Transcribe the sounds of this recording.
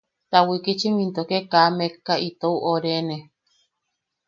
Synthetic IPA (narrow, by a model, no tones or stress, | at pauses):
t̪awikit͡ʃimĩnt̪okekamekːait̪ouʔoɾene